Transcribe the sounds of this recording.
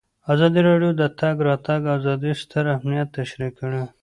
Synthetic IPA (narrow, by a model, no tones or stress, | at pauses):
azɑd̪iɾɑɖijod̪ət̪aɡɾɑt̪aɡazɑd̪ist̪əɾamnijat̪ːaʃɾikːəɽe